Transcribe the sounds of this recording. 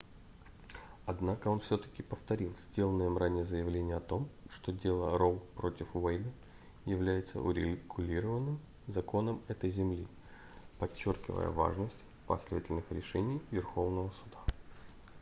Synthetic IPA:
ɐd̪nakəo̞nfsʲot̪ə̥kʲɪpəft̪ɐɾʲilˠsʲdʲe̞lˠənɨjəmranʲɪjəzəjɪvlʲenʲɪjəɐt̪o̞mʂt̪o̞dʲe̞lˠə̰ɾolˠpɾo̞tʲɪfvejd̪ə | jɪvlʲæjɪt̪sə̰ʔʊɾʲɪɡʊlʲiɾəvənːɨm | zɐko̞nəmɛt̪əjzʲɪmlʲi | pɐt͡ɕːorkʲɪ̰və̰jə̰va̰ʐnəsʲtʲ | pɐ̰sʲlʲevətʲɪlʲnɨxɾʲɪʂɛnʲɪjvʲɪrxo̞vnəvəsʊd̪a

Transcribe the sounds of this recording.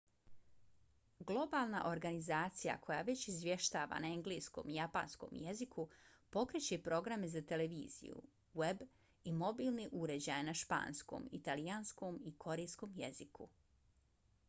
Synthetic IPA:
ɡlˠo̞balˠnaʔo̞ɾɡanizaːt̪sija̰kʰo̞jaʋe̞t͡ɕizʋje̞ʃt̪aːʋa̰naeŋɡlejsko̞̰mijapa̰ːnsko̞̰mje̞zikupo̞kɾet͡ɕe̞pɾo̞ɡɾamezat̪e̞leʋiːzḭjṵ | we̞b | imo̞biːlˠneʔuɾe̞d͡ʑajanaʃpa̰ːnsko̰ːmḭt̪alijansko̞mikʰo̞ɾejsko̞ːmje̞zikṵ

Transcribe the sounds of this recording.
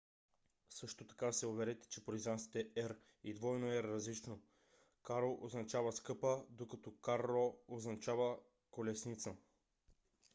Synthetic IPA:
sɤʃt̪ot̪ɐ̥kasɛovɛɾɛt̪ɛ̥t͡ʃɛpoɾizant̪i̥t̪ɛɛɾ | id̪vɔjnoɛɾːɐzlit͡ʃno | kaɾloʔoznɐt͡ʃavəskɤpəd̪okat̪ɔkaɾlˠooznɐt͡ʃavə | kolɛsnit̪sə

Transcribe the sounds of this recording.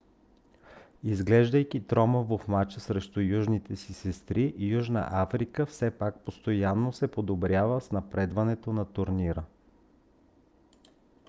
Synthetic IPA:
izɡlɛʒd̪əjk̟it̪ɾɔməvofmat͡ʃəsɾɛʃt̪ʊjuʒnit̪ɛsisɛst̪ɾiʔjuʒnə̰ʔafɾikəfsɛpak̚post̪ojanːosɛpod̪obɾʲjavəsnɐpɾɛd̪vɐnɛt̪onɐt̪ʊɾniɾə

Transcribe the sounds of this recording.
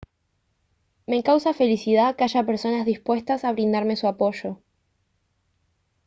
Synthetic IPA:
me̞kawsafe̞lisið̞akeaʒapeɾso̞nazðispwe̞st̪asaβ̞ɾind̪aɾme̞suapo̞ʃo̞

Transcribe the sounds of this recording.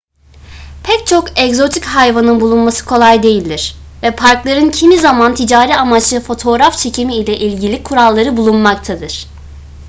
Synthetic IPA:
pʰɛc̚t͡ʃʰo̞kɛɡzo̞t̪ʰichajvanɯnbulˠunmasɯ̥kʰo̞lˠajd̪e̞jilʲd̪iɾ̥ | vɛpʰaɾklˠaɾɯncʰimizamant̪ʰid͡ʒaːɾiːamat͡ʃlˠɯfo̞t̪ʰo̞ːɾaft͡ʃʰe̞cʰimiːlʲɛʔilʲɟilʲikʰuɾalˠːaɾɯbulˠunmak̚t̪ʰad̪ɯɾ̥

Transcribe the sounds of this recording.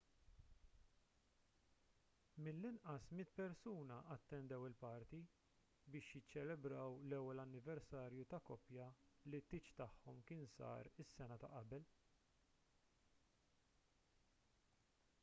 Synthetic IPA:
mɪlːɪnʔɐsmɪt̪pɛɾsuːnɐʔɐt̪ːɛnd̪ɛwɪlpɐɾt̪i | bɪːʃjɪt͡ʃːɛlɛbɾɐwlɛwːɛlɐnːɪvɛɾsɐːɾjut̪ɐkɔpjɐlit̪ːɪːt͡ʃt̪ɐħːɔmkɪːnsɐ̰ːɾɪsːɛnɐt̪ɐʔɐbɛl

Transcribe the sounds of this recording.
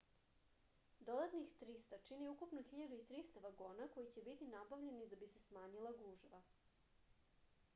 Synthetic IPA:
d̪o̞d̪at̪nixt̪ɾist̪at͡ʃiniukupnoxiʎad̪uit̪ɾist̪aʋaɡo̞ːnako̞jit͡ɕe̞bit̪inabaʋʎe̞nid̪abise̞smaːɲilˠaɡuːʒʋa

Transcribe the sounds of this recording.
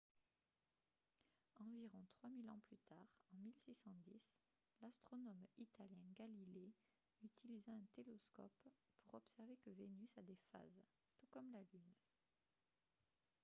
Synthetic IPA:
ɑ̃viʁɔ̃t̪χwamilɑ̃plyt̪aʁɑ̃milsisɑ̃d̪is | last̪χɔnɔmit̪aljɛ̃ɡalile | yt̪ʰilizaɛ̃t̪elɔskɔ̰pː | uʁɔpsɛʁvekəvenysad̪efa̰z | t̪ukɔmlalyn

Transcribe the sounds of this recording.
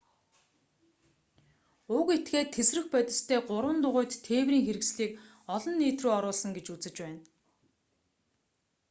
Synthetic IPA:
ʊket̪ɡeːt̪ʰːesrɘ̆xpæt̪ʲɪ̆ɬt̪ʰeːɢʊɾwə̆nt̪ʊʁʊːjt̪ʰːeːwriːŋxeɾɘ̆ksɮiːk | ɔɮɞ̆nːiːt̪ruːɔɾʊːɮsə̆ŋɡet͡ɕut͡sɘ̆t͡ɕpæːn

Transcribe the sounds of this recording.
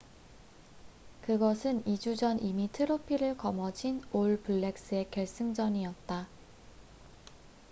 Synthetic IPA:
kɯɡʌsʰɯnid͡ʑud͡ʑʌnʔimitʰɯɾopʰiɾɯɭkʌmʌd͡ʑinoɭpuɭːe̞k̚s͈ɯe̞kjʌɭs͈ɯŋd͡ʑʌɲiʌt̚t͈a

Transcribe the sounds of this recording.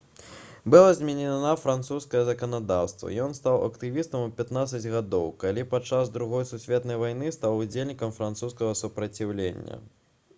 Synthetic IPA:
bɨlˠazʲmʲɛnʲɛnafɾant̪suskɐjɐzɐkɐnad̪awst̪vɐ̰jɔnst̪awɐ̰kt̪ɨvʲist̪ɐmupʲat̪nat̪sːɐd͡zʲɣad̪ɔwkalʲipat͡ʂːazd̪ɾuɣɔjsusʲvʲɛt̪nɐjvajnɨst̪awud͡zʲelʲnʲikɐmfɾant̪suskɐɣɐsupɾɐt͡sʲiwlʲenʲːɐ̰

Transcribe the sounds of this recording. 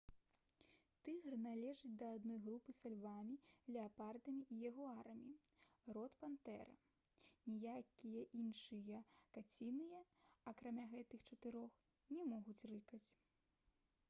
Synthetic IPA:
t̪ɨɣrnalʲɛʐɨt͡sʲd̪ɐːd̪nɔjɣɾupɨsalʲvamʲilʲɛapard̪ɐmʲiʔijaɣɔaɾɐmʲirɔt̪pant̪ɛɾɐ̰ | nʲijakʲijɐʔinʂɨjɐkat͡sʲinɨjɐɐkɾamʲaɣɛt̪ɨxt͡ʂɐt̪ɨɾɔx | nʲɛmɔɣut͡sʲrɨkɐt͡sʲ

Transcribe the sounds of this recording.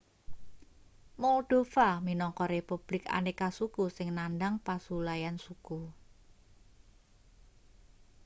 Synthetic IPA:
moɖ̪̥o̤faminɔŋkɔɾepub̥lɪka̰nekasukusɪŋnandaŋpasulajansuku

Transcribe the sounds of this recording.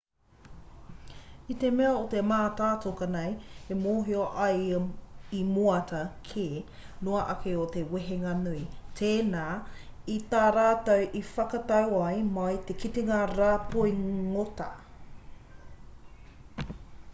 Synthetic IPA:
it̪emeɐotemaːtaːtokɐnɐjemoɦioʔɐj | imuɐtɐkʰeː | noɐʔɐkʰeoteweɦeŋɐnuitʰeːnaːit̪aːɾaːtɐwʔifɐkɐtɐwɐjmɐjt̪ekʰiteŋaɾaːpojŋotɐ

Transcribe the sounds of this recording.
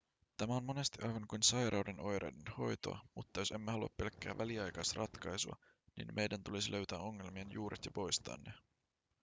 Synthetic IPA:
t̪æmæo̞nmo̞ne̞st̪iʔɑjʋɑŋkujnsɑjɾɑwdeno̞jɾʔɑ̰jdenho̞̰jt̪o̞̰ɑ̰mut̪ːɑjo̞se̞mːehɑluɑ̰ppe̞lkːæ̰ːʋʔæliɑjkɑst̪rʔɑt̪kɑjsuɑ̰ | nḭnmʔe̞jdænt̪ulisilʔø̞ɥt̪æːo̞ŋːe̞lmienjuːɾʔet̪jɑpo̞jst̪ɑ̰ːnːe

